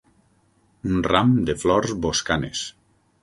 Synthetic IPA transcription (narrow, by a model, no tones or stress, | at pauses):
unramd̪eflɔɾzboskanḛs